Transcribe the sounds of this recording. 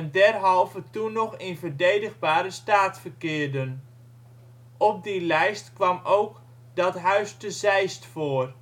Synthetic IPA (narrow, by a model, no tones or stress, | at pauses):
ɛndɛrɦɔlˠvətunɔxɪnvərdejdəɣbaːɾəstaːtfərkɪːrdən | ʔɔp̚dilɛjstkʋɑmowk | dɔtɦœɥstəzɛjstfoːr